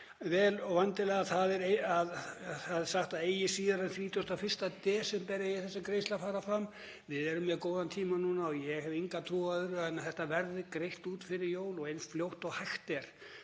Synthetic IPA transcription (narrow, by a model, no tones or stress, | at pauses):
vɛːlɔvant̪ɪlɛːɣaθaðɛɾeaðθaðɛ̥saxt̪aðeːjɪsiːðɪɾanθɾiːt̪ʏst̪afɪr̥st̪at̪ɛːsɛmpɛɾjajɛθɛsːakɾejst̪lafaːɾafɾamː | vɪðɛɾʏmjɛðkoːwðant̪ʰiːmanuːnaɔjɛhɛviŋkat̪ʰuːaðʏɾɛnːaθɛht̪avɛɾðɪkɾejht̪uːt̪fɪɾɪɾjoːwlɔɣejnsfljowht̪ɔɣhajxt̪ɛɾ̥